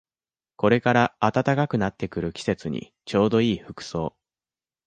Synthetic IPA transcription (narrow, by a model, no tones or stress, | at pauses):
ko̞ɾe̞kaɾaːt̪at̪akakɯ̟nat̪ːe̞kɯ̟ɾɯ̟kʲi̥se̞t͡sɨɲ̟ḭ | t͡ɕo̞ːd̪o̞iːɸɯ̟kɯ̟̥so̞ː